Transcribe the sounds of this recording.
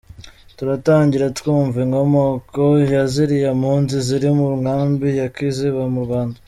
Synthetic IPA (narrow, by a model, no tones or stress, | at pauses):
tuɾataːɲɟiɾatwuːɱviŋɡo̞mokojaziɾijamhuːnziziɾimuɾuŋaːmbijakiːziβamuɾɡwaːnda